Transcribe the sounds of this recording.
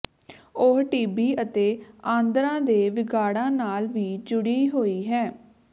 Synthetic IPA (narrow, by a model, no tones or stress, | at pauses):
ʊɦʈiːbiːʔət̪eːãːnd̪əɾãːd̪eːʋɪɡaːɽãːnaːlʋiːd͡ʒʊɽiːɦoːiːɦɛː